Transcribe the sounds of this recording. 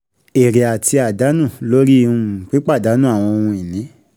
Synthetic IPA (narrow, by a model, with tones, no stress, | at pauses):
e˨ɾe˨a˨tʰi˧a˨da˨˦nũ˦˨lo˦ɾi˦˨ũ˦˧˨k͡pi˦k͡pa˦˨da˨˦nũ˦˨a˦˨w̃ɔ̃˧o˧ũ˧ĩ˨nĩ˨˦